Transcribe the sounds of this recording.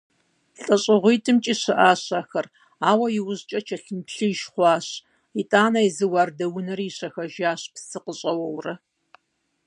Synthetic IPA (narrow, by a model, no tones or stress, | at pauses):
ɬʼɐɕʼɪʁʷiːtʰɨmt͡ʃʼiːɕɨʔaːɕaːxɐr | aːwɐjɪwʊʑt͡ʃʼɐt͡ʃʰɐɬɨnpɬɨʃχʷɑːɕ | itʼaːnɐjzɨwɑːrdɐwʊnɐriɕɐxɐʒaːɕpsɨqəɕʼɐwɐwrɐ